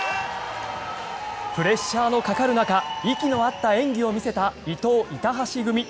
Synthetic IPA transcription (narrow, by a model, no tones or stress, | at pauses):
pɯ̟ɾe̞ɕːaːno̞kakaɾɯ̟nakaikʲino̞at̪ːaẽ̞ŋɡʲio̞mʲise̞t̪ait̪o̞ːʔit̪aɦaɕiɡɯ̟mʲi